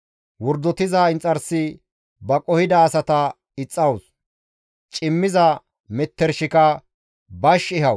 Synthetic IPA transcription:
wɔɾd̪ɔt̪ɪzaːɪnt͡sʼːɐɾsɪ | bɐkʼɔhɪd̪ɐːsɐt̪ɐ | ɪt͡sʼːɐwʊs | t͡ʃʼɪmːɪzɐ | mɛt̪ːɛɾʃɪkɐ | bɐʃɪɦɐw

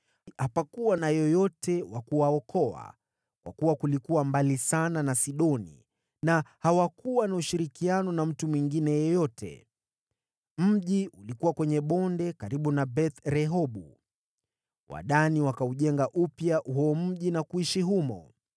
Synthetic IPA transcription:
hapakuwanajɔjɔtɛwakuwaɔkʰɔa̰ | kwa̰kuwakulikuwambalisananasiɗɔnḭ | nahawakuwanauʃiɾikianɔnam̩tumwiŋɡinɛjɔjɔtʰɛ̰ | m̩ʄiʔulikuwakwɛɲɛɓɔndɛkaɾiɓunabɛt̪ɾɛɦɔɓu | wa̰ɗaniwakauʄɛŋɡaʔupjaʔɦɔɔm̩ʄinakuiʃiɦumɔ̰

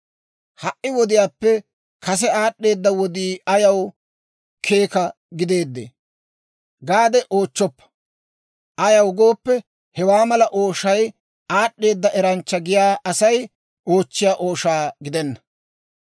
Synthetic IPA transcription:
hɐʔʔːɪwɔd̪ɪjaːpːɛ | kɐsɛaːɗːe̞ːd̪ːɐwɔd̪iːɐjɐw | kʰe̞ːkɐ | ɡɪd̪e̞ːd̪ːḛː | ɡaːd̪ɛʔo̞ːt͡ʃːɔpːɐ̥ | ʔɐjɐwɡo̞ːpːɛ | hɛwaːmɐlɐʔoːʃɐj | aːɗːe̞ːd̪ːɐʔɛɾɐnt͡ʃːɐɡɪjaːʔɐsɐj | ʔo̞ːt͡ʃːɪjaːʔo̞ːʃaːɡɪd̪ɛnːɐ̥

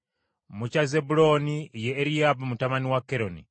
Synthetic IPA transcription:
mut͡ʃazebulo̞nijeːɾijabamutamaniwakeɾonḭ

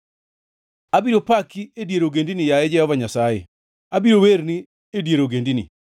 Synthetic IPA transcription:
abiɾopakiedjeɾoɡendinijaɛd͡ʒɛhɔvaɲasajḛ | abiɾoweɾni | edjeɾoɡendinḭ

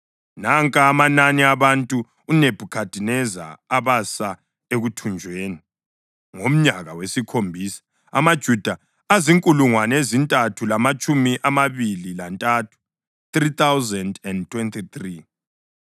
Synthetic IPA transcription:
naŋkʼaːmananiaβantʼuː | neb̥ʱukʰad̥ʱinɛza̰ːβasa | eɣutʰund͡ʒʱweːni | ŋom̩ɲaɣawesikʰombʱiːsḁ | a̰mad̥ʒ̥ʱud̥ʱa | aziŋkʼuluŋwanezintʼatʰulamat͡ʃʼumiʔamaβililantʼatʰu̥ | t̪rit̪ʰawzɛndɛndtʰwɛntʰʼit̪ri

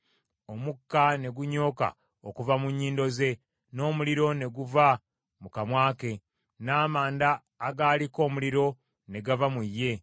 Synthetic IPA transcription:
o̞mukːane̞ɡuɲo̞ːka̰ | o̰kuvamuɲːiːndo̞ze̞ | no̞ːmuliɾo̞ne̞ɡuva | mukamwaːke̞ | naːmaːndaː | ɡaːliko̞ːmuliɾo̞ | ne̞ɡavamujːe̞

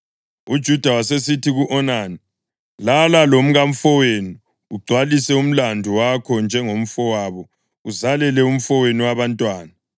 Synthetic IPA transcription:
ud̥ʒ̥ʱud̥ʱawasesitʰiɣuʔɔnaːni | lalalom̩ɣam̩fɔwenuː | ɡ͡ǀʱwalisɛum̩landʱuwakʰɔnd͡ʒʱɛŋom̩fɔwaːβɔ | uzalɛlɛum̩fɔweniwaβantʼwaːna

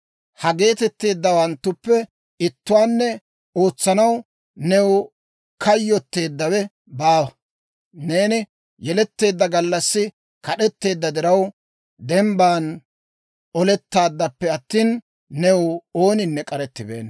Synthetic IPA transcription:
hɐɡe̞ːt̪ɛt̪ːe̞ːd̪ːɐwɐnt̪ːʊpːɛ | ɪt̪ːʊwaːnːɛ | o̞ːt͡sːɐnɐw | nɛw | kɐjːɔt̪ːe̞ːd̪ːɐwɛ | baːwɐ | ne̞ːnɪ | jɛlɛt̪ːe̞ːd̪ːɐɡɐlːɐsːɪ | kɐɗɛt̪ːe̞ːd̪ːɐd̪ɪɾɐw | d̪ɛmbaːn | ʔɔlɛt̪ːaːd̪ːɐpːɛɐt̪ːiːnː | ɛwo̞ːnɪnːɛkʼɐɾɛt̪ːɪbḛːn

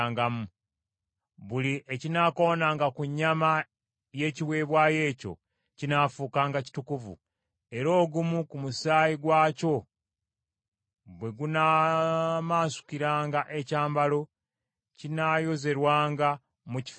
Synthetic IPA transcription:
ŋɡamu | βuliʔecinakonaːŋɡakuɲːama | je̞ciwe̞ːβwaːje̞ːco̞̰ | cinafuːkaːŋɡaci̥tukuvṵ | e̞ɾo̞ːɡumukumusaːjiɡwaːco̞ | bwe̞ɡuna | maːsu̥kiɾaːŋɡaʔe̞caːmbalo̞ | cinajo̞ze̞ɾwaːŋɡa | muci̥

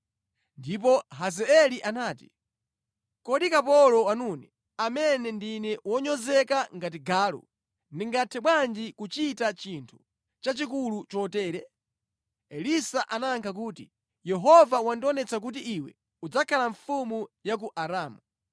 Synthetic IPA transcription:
ndip̬ɔɦazɛɛliʔanaːti̥̰ | kɔɗikapɔlɔwanunɛ | amɛnɛndinɛwɔɲɔzɛkaŋɡat̬iɡaːlɔ̰ | niŋɡatʰɛɓwand͡ʒikut͡ʃitat͡ʃintʰu̥ | t͡ʃat͡ʃik̬ulut͡ʃɔtɛːɾɛ | ɛlisaʔanaŋkʰak̬uːti | jɛɦɔvawandiɔnɛt͡sak̬ut̬iʔiwɛ̰ | ud͡zakʰalaɱfumujak̬uʔaɾaːmu

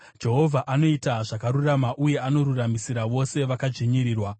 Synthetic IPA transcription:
d͡ʒe̞ɦo̞vʱaʔano̞itaʐakaɾuramaʔuje̞ano̞ɾuramisiɾaʋo̞se̞ʋakad͡ʒiɲiɾiːrwa

